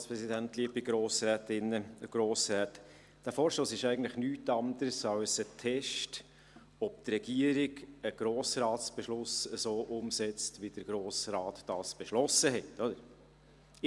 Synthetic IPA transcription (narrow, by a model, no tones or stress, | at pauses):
spɾɛsidæntliːbiɡ̥ɾoːsɾɛːtɪnəəɡ̥ɾoːsɾɛːt | d̥æfoːɾʃoːsɪʃæɪɡən̩t̪ləɪχnyːtɑnd̪əɾsɑwsətʰɛʃt | ɔp̚t̪rɛɡ̥iəɾɪɡəɡ̥ɾoːsrɑːtsb̥ɛʃlʊsəsoːʔʊmsɛt͡stʋid̥əɡ̥ɾoːsɾɑːt̪d̥ɑːsb̥ɛʃlɔsəɦɛtːɔdəɾ